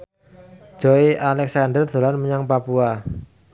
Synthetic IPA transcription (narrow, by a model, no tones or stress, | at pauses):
d͡ʒ̥oiʔalɛksandərd̪̥o̤lanməɲaŋpapua